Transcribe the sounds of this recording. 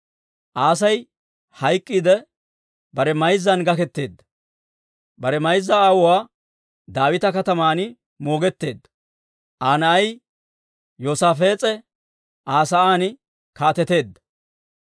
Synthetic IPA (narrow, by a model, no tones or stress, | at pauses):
ʔaːs̬ɐj | hɐjkʼːid̪ɛ | bɐɾɛmɐjzːɐnɡɐkɛt̪ːe̞ːd̪ːɐ̥ | bɐɾɛmɐjzːɐaːwɔwaː | d̪aːwɪt̪ɐkɐt̪ɐmaːnɪ | mo̞ːɡɛt̪ːe̞ːd̪ːɐ | ʔaːnɐɐj | joːsaːfe̞ːt͡sʼɛ | ʔaːsɐaːn | kaːt̪ɛt̪e̞ːd̪ːɐ̥